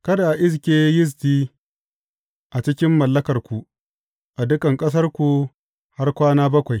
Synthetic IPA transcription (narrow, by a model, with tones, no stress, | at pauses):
kɐ˦da˨ʔɪ˦s̬kʲeː˦jɪ˦s̬tiː˦ | ʔa˨t͡ʃɪ˦kʲɪ˦mːɐ˨lːɐ˦kɐ˨rkʷu˨ | ʔa˨dʊ˦kɐ˨ŋkʼɐ˦s̬ɐ˦rkʷu˨ | ha˦rkʷaː˦naː˦bɐ˦kʷa˨j